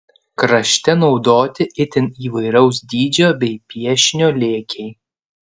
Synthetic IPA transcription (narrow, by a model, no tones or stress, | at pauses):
kɾɐʃʲt̪ʲɛnɒʊd̪oːt̪ʲɪʔɪt̪ʲɪniːʋɐɪɾɐʊs̬d̪ʲiːd͡ʒʲoːbʲɛɪpʲiɛʃʲnʲoːlʲeːkʲʰɛɪ